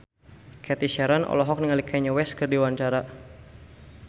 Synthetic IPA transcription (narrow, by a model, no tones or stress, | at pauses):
kʰɛt̪iʃɛɾanɔ̰lɔɦɔk̚niŋalikʰɛɲəwɛskɨrdiwanɲt͡ʃaɾa